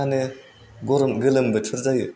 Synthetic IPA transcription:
anɯ | ɡɔɾɔmɡɯlɯmbɯtʰɯɾzajɯ̰

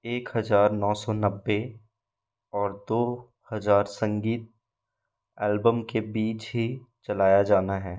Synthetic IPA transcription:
eːkɦɐzaːɾnɔːsɔnɐbːe | ɔːɾd̪oː | hɐzaːɾsə̃ŋɡiːt̪̚ | ɛːlbəmkebiːt͡ʃɦit͡ʃɐlaːjad͡ʒaːnaɦɛː

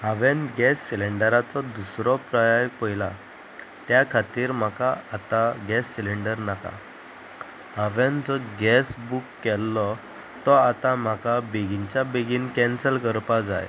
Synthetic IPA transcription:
ɦãʋenɡɛsːileɳɖəɾat͡sɔd̪usɾɔpɾajajpəjla | t̪jakʰat̪iːɾm̤akaat̪aɡɛsːiliɳɖəɾnaka̰ | ɦaʋend͡zɔɡɛsbukːɛlːɔ | t̪ɔat̪am̤akabeɡiɲt͡ɕjabeɡiːnkɛnsəlkəɾpad͡za̰j

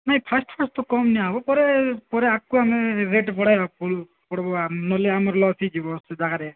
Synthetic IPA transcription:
najpʰasʈpʰasʈt̪ɔkɔmniabɔpɔɾepɔɾeakuameɾeʈpɔɽ̤ajbapɔu | pɔɽbɔanɔleamɔɾlɔsʰid͡ʒibɔsd͡ʒaɡaɾe

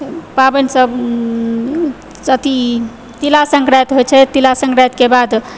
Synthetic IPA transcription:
pabənsəb | ət̪i | t̪ilasəŋkɾajt̪ɦojt͡ʃʰɛt̪ilasə̃ŋkɾajt̪kebad̪

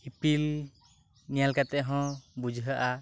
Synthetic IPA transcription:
hipil | nijalkat̪ɛɦɔ̃bud͡ʒʱɦəʔa

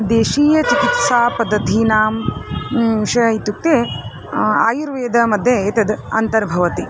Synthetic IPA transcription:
d̪eːʃiːjɐt͡ʃikit̪saːpɐd̪ːɐt̪iːnaːm | ʃɐit̪uk̚t̪e | a̰ːjuɾʋeːd̪ɐmɐd̪ʱjɐeːt̪ɐd̪ɐ̰nt̪ɐɾbʱɐʋɐt̪i

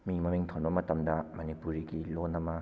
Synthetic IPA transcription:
mimɐmiŋt̪ʰonbɐmɐtɐmdɐmɐnipuɾiɡilonɐmɐ

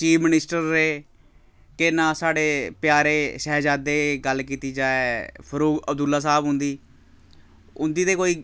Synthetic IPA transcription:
t͡ʃiːpʰmɪnɪsʈəɾːeː | kenãːsaːɽeːpɪjaːɾeːʃɛːd͡ʒaːd̪eːɡəlkiːt̪iːd͡ʒaːeːpʰəɾuːɡəb̚d̪ʊlːaːs̬aːbɦʊ̃nd̪iː | ʊnd̪iːt̪eːkoːiː

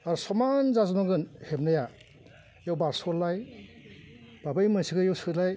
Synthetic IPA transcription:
aɾsɔmanzazmaɡɯnhepnaja | jawbaɾsɔɾlaj | b̥abajmansiɡɯjawsɯtlaj

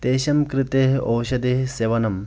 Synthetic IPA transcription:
t̪eːɕɐmkɾɪt̪eːɦowʃɐd̪eːɦseːʋɐnɐm

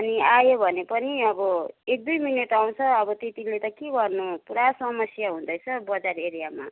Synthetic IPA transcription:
ʌniajobʱʌnepʌniʌbʌek̚d̪ujminʌʈaw̃t͡sʰʌːbʌt̪et̪ilet̪ʌkeɡʌrnupuɾasʌmʌsjaɦũd̪ʌjt͡sʰʌbʌd͡zareɾijama̰

